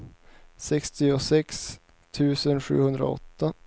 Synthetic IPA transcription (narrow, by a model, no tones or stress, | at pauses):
sɛkst̪ɪʊsɛks | t̪ʰʉ̟ːsənɧʉ̟̰ːhɵnd̪ɾa̰ɔ̰t̪ːa